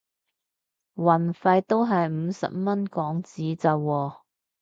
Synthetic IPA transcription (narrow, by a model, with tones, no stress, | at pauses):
wɐ˨˩nfɐ˧jt̪o˥wɦɐ˨jm̩˨˧sɐ̰˨p̚mɐ˥nkɔː˨˥ŋt͡siː˨˥t͡sɐ˨wwɔː˧